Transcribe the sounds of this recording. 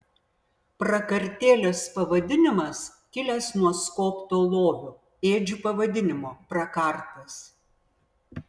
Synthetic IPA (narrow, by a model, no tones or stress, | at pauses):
pɾɐkɐɾʲt̪ʲeːlʲoːspɐʋɐd̪ʲɪnʲɪmɐs | kʲɪlʲɛsnuɔskoːpt̪oːlˠoːʋʲʊ | eːd͡ʒʲuːpɐʋɐd̪ʲɪnʲɪmoːpɾɐkɐˑɾt̪ɐs